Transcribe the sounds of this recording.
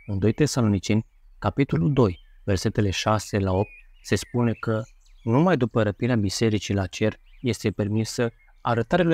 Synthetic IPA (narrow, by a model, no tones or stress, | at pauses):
ɨnd̪o̞jt̪e̞salo̞nit͡ʃe̞nʲ | kapit̪o̞luld̪o̞j | ve̞rse̞t̪e̞le̞ʃase̞lao̞p̚t̪̚ | se̞spune̞kə | numajd̪upəɾəpineabise̞ɾit͡ʃilat͡ʃe̞rje̞st̪e̞pe̞rmisə | a̰ɾət̪aɾea